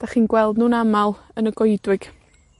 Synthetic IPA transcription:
d̥aχiːnɡwɛlˠdnuːnamalˠənəɡɔjdwɪɡ̥

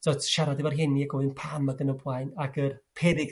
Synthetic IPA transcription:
d̥ɔtʰʃaɾadɪvarɦɛniaɡɔɨnpʰamaɡənəbwajnaɡərpʰɛdɪɡ

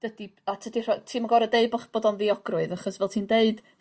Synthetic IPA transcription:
d̥ədiatʰədir̥ɔtʰiːmaɡɔɾədeɨd̚bɔχb̥oːdɔnviɔɡ̥rʊɨðaχɔsvɛlˠtʰiːndeɨd̥

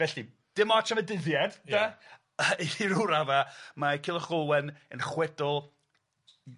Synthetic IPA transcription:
vɛɬi | d̥ɪmɔtʰamədɪðjɛd̥a | iɾuɾavamakʰɪlˠəχʊwɛnənχwɛdɔlˠ

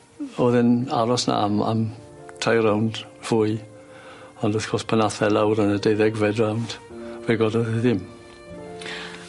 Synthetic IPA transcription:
oːðɪna̰ɾɔsna̰ama̰m | tʰrajɾawnd | v̥uːɨ | ɔndɪθkʰɔspʰənaθɛlawɾənədejðɛɡvɛdrawnd̥vɛɡɔdɔðɪðɪm

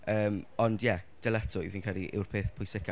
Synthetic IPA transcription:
əːmɔndjɛd̥ɛlɛtʰʊjviːnkʰalˠiʔɪ̰wrpʰeːθpʰʊjsɪkʰa

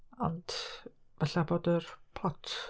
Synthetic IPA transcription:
ɔ̰nd̥ | vɛɬaboːdərpʰlɔtʰ

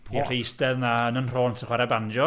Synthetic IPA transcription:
ir̥ejsdɛðnaənənr̥oːntsʰəχwaɾɛband͡ʒɔ

